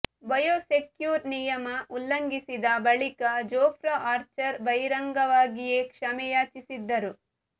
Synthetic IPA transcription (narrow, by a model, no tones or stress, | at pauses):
bɐjoːsekjuːɾnijɐmɐʔulːɐŋɡisid̪ɐbɐɭikɐd͡ʒɔːpʰɾɐʔaːɾt͡ʃɐɾbɐjɾɐŋɡɐʋaːɡijeːkʂɐmɛjaːt͡ʃisid̪ːɐɾu